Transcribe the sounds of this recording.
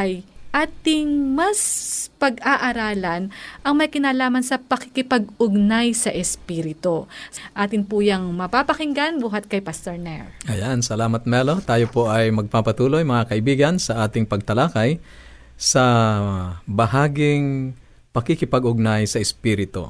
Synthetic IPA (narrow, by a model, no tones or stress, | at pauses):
ʔɐjʔaːt̪ɪŋmɐspɐɡaʔaɾaːlɐnʔɐŋmɐjkɪnaːlaːmɐnsɐpɐkɪkɪpɐɡ̚ʊɡnajsɐʔɛspiːɾɪt̪osʔaːt̪ɪnpuːjɐŋmɐpaːpɐkɪŋɡanbuːɦɐt̪̚kɐjpast̪ɛɹnɛɹʔɐjansɐlaːmɐt̪̚mɛlo̞t̪aːjopoʔɐjmɐɡ̚papɐt̪uːlo̞jmɐŋakɐʔɪbiːɡɐnsɐʔaːt̪ɪŋpɐɡ̚t̪ɐlakaj | sɐ | bɐhaːɡɪŋ | pɐkɪkɪpɐɡʊɡ̚najsɐʔɛspiːɾɪt̪o̰